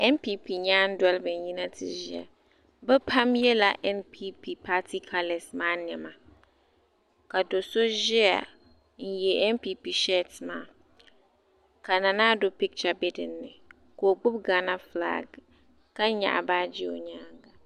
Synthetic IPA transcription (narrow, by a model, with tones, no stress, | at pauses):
ɛ˦mpi˦pi˨ɲaː˦n˦dʊ˦ɛ˦lbɪ˨n˨ji˦na˦tʰɪ̰˨zɪ̰˦a̰˨ | bɛ˦pʰa˦mjɛ˦la˨ʔɛ˦npʰi˦pi˨pʰa˦tʰi˦kʰa˦lɛ˨smaː˦n˨ɛ˨ma˨ | ka˨do˨so˦ʒɪ˦a̰˨ | n̩˦jɛ˨ʔɛ˦npi˦pi˨ʃɛ˦tmaː˨ | ka˨na˨naː˦dʊ˦pi˦k̚t͡ʃa˨bɛ˦dɪ˨nːɪ˨ | ko˨ɡ͡bʊ˦b̚ɡa˨na˦fla̰˦ɡ | ka˦ɲa̰˨ʔa̰˨baː˦d͡ʒɪ˦o˨ɲaː˦ŋɡa˨